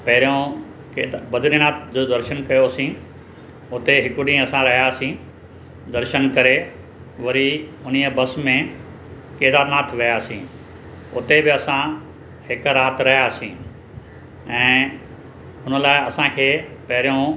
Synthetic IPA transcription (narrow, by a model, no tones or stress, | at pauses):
pɐɦɪɾjõ | keːd̪bɐd̪ɪlinaːt̪ʰd͡ʑd̪ɐɾʃənkɐjoːsĩ | ʊt̪eɦɪkʊɗĩːɐsãɾɐɦjaːsĩː | d̪ɐɾʃənkɐɾe | ʋɐɾiʊnijəbɐsmẽ | keːd̪aːɾnaːt̪ʰʋɪjaːsĩː | ʊt̪ebɪɐsã | hɪkɾaːt̪ɾɐɦijaːsĩː | ɛ̃ː | ɦʊnəlaːɪɐsãkʰeːpɐɦɪɾijõ